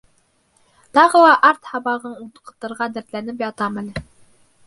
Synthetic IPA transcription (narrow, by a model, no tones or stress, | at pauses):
t̪ɑʁɤ̆lˠɑʔɑɾt̪hɑβɑʁɤɴut̪qɤ̥̆t̪ɤ̆ɾʁɑd̪æ̆ɾt̪lænɘpjɑt̪ɑmælɘ